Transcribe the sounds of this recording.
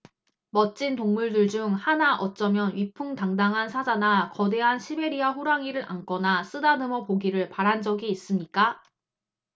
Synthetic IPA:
mʌt͡ɕ͈intoŋmuɭdɯɭd͡ʑuŋhanaʔʌt̚t͡ɕ͈ʌmjʌnɥipʰuŋtaŋdaŋɦansʰad͡ʑanakʌde̞ɦanɕʰibe̞ɾiaɸuɾaŋiɾɯɾʔa̰nk͈ʌnas͈ɯdanɯmʌpoɡiɾɯɭpaɾɦand͡ʑʌɡiːs͈ɯmɲik͈a

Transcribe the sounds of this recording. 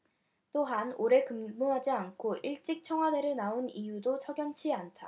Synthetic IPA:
t͈oɦanoɾe̞kɯmmoɦad͡ʑiankʰoʔiɭt͡ɕ͈ik̚t͡ɕʰʌŋɦwade̞ɾɯɭnaonijudot͡ɕʰʌɡjʌnt͡ɕʰiantʰa

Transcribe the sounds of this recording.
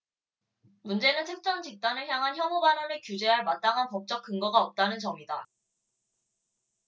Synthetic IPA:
mund͡ʑe̞nɯntʰɯk̚t͡ɕ͈ʌnd͡ʑik̚t͈anɯɭçjaŋɦançjʌmubanʌnɯɭkjud͡ʑe̞ɦaɭmat͈aŋɦanpʌp̚t͡ɕ͈ʌk̚k͈ɯŋɡʌɡaʌp̚t͈anɯnt͡ɕʌmida

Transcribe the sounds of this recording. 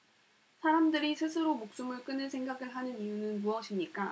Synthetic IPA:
sʰaɾamdɯɾisʰɯsʰɯɾomok̚s͈umɯɭk͈ɯnɯnsʰe̞ŋɡaɡɯɭɦanɯnijunɯnmuʌɕʰimɲik͈a

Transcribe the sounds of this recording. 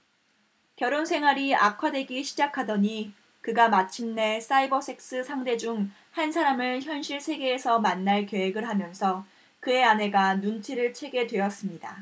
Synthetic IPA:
kjʌɾonsʰe̞ŋɦwaɾia̰kʰade̞ɡiɕʰid͡ʑakʰadʌɲi | kɯɡamat͡ɕʰimne̞s͈aibʌs͈ʰe̞k̚s͈ɯsʰaŋde̞d͡ʑuŋ | hansʰaɾamɯɭçjʌnɕʰiɭsʰe̞ɡe̞ːsʰʌmanːaɭkjeeɡɯɭɦamjʌnsʰʌ | kɯe̞anɦe̞ɡanunt͡ɕʰiɾɯɭt͡ɕʰe̞ɡe̞dwe̞ʌs͈ɯmɲida̰

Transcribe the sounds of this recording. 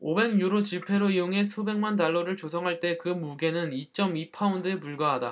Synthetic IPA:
obe̞ŋɲuɾot͡ɕipʰe̞ɾoioŋe̞sʰube̞ŋmantaɭːʌɾɯɭt͡ɕosʰʌŋɦaɭt͈e̞kɯmuɡe̞nɯnit͡ɕ͈ʌmipʰaundepuɭɡaɦada

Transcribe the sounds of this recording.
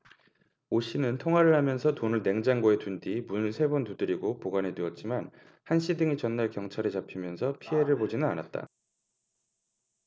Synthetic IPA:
oɕ͈inɯntʰoŋɦwaɾɯɭhamjʌnsʰʌtonɯɭne̞ŋd͡ʑaŋɡoetundimunɭsʰe̞bontudɯɾiɡopoɡanedweʌt̚t͡ɕ͈iman | hanɕʰidɯŋit͡ɕʌnːaɭkjʌŋt͡ɕʰaɾet͡ɕapʰimjʌnsʰʌpʰie̞ɾɯɭbod͡ʑinɯnanat̚t͈a̰

